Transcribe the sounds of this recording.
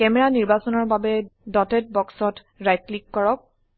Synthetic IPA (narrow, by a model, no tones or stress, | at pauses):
kɛmɛɹaniɹbasɔnɔɹbabɛdɔtɛt̚bɔksɔt | ɹajt̚klikːɔɹɔk̚